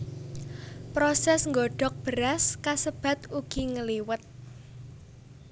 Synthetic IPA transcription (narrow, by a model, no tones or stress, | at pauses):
pɾosɛsŋɡoɖ̥ɔ̤k̚b̥əɾaskasəb̥ä̤t̪uɡ̥i̤ŋəliwət̪̚